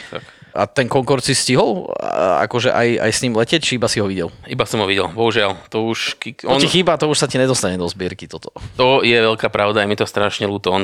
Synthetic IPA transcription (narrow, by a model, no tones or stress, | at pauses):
t̪a̰ka̰t̪ɛŋkɔŋkɔɾt̪sisciɦɔla̰kɔʒɛ̰ʔa̰ja̰jsɲimlɛcɛt͡ʃiibasiɦɔʋiɟɛlibasɔmɦɔʋiɟɛlbɔɦuʒɪalt̪ɔuʃkiɔixiːbat̪ɔuʃsaciɲɛd̪ɔst̪aɲɛd̪ɔzbɪɛɾkit̪ɔt̪ɔ̥t̪ɔjɛʋɛlkaːpɾʔaʊd̪ajɛmit̪ɔst̪ɾaːʃɲɛluːt̪ɔn